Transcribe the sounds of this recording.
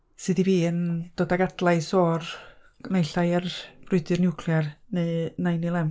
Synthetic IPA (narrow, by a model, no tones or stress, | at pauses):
sɨːdiviːənd̥oːdaɡadlˠajsɔːr | nejɬajarb̥rʊɨdɨrnɪwkʰlˠjarnenajnilˠɛm